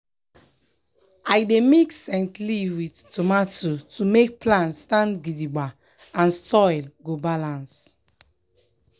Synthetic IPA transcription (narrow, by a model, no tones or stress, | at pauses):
ajdemiksɛ̃ntliwidtomatotʰumek̚plãntstãntɡidiba | ãnsɔjlɡobalãns